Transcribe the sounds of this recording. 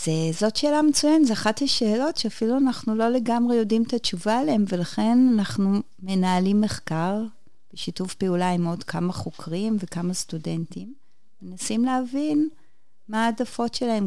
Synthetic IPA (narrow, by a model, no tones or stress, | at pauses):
z̥ezo̞tʃe̞ːlamet͡sujanetzeaχatlaʃe̞ːlo̞tʃeafiluanaχnulo̞le̞ɡamʁejo̞dimt̪at͡ʃuvaːleemve̞laχe̞nanaχnu | me̞naːlimːe̞χkaʁ | b̥eʃitufpeulaimo̞dkʰamaχo̞kʁimvekamastude̞ntim | menasimleavin | maːdafo̞tʃelae̞m